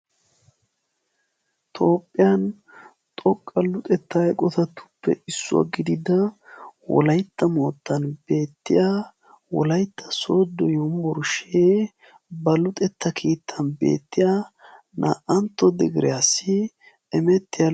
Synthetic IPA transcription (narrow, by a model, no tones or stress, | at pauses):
t̪ʰo̞ːpʼːɪjɐn | t̪ʼɔkʼːɐlʊt̪ʼɛt̪ːɐjkʼɔt̪ɐt̪ːʊ̥pːɛ̰ɪsːʊwa̰ɡɪd̪ɪd̪ɐwɔ̰lɐjt̪ːɐmo̞ːt̪ːɐnbe̞ːt̪ːɪja | wɔ̰lɐjt̪ːɐ̥soːd̪ːɔjʊmbɔɾʊʃeː | bɐlʊt̪ʼɛt̪ʰːɐkʰiːt̪ʰːɐnbe̞̰ːt̪ːɪja | nʔa̰ːʔɐnt̪ːɔd̪ɛɡɪɾɪjasːɪ | ɛmɛt̪ːɪja